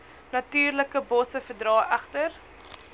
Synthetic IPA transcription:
nɐtyːrləkəbɔsəfərdrɑːʔæχtər

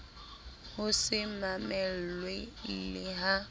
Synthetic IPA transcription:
hʊsɪmamɛl̩lwelɪɦa

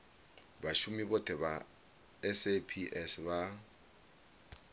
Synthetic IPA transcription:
baʃumibɔtʰʼɛba | ɛsepʰiʔɛsba

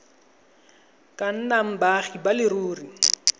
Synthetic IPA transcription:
kʼan̩naŋ̩baχibalɪɾuːri

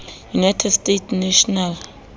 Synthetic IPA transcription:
junajtʰɛdstetʰnɛʃɔnal

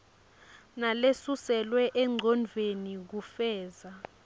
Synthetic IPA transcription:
nalesusɛlwɛʔɛŋ͡ǀʱɔnvʱenik̬ufɛːza

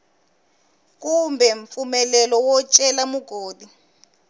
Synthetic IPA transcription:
k̬ʼumbʱɛɱfumɛlɛlɔwɔt͡ʃʼɛlamuɡ̥ʱoːdi

